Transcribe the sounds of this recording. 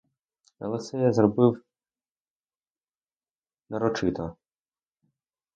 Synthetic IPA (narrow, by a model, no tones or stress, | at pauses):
ɐ̰lˠɛsɛjazrɔbɪw | nɐɾɔt͡ʃɪt̪ɐ